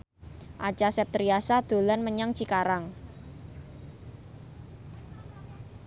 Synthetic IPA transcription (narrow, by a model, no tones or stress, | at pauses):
ʔḁt͡ʃasɛp̚t̪ɾiasad̪̥o̤lanməɲaŋt͡ʃikaɾaŋ